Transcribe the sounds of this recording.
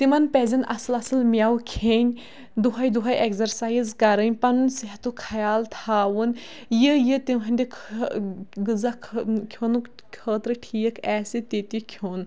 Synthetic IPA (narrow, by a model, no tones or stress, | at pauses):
t̪imɐnpɛːzʲɐnɐ̰sɨlɐsɨlmʲawkʰeːnʲ | d̪uɦajd̪uɦɐjʔekzɐɾsaːjzkɐɾənʲpɐnunseɦɐt̪ukʰɐjaːlt̪ʰaːwun | jəjət̪imɦɐnʲd̪ikʰ | ɡɨzakʰkʲʰonu | kʰəːt̪ɾɨʈʰijəkʰɛːsit̪et̪ikʰjoːn